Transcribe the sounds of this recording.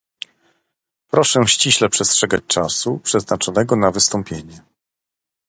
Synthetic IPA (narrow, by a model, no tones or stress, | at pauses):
pɾɔʂɛɕt͡ɕiɕlɛpʂɛstʂɛɡat͡ɕt͡ʂasupʂɛznat͡ʂɔnɛɡɔnavɘst̪ɔmpʲjeɲɛ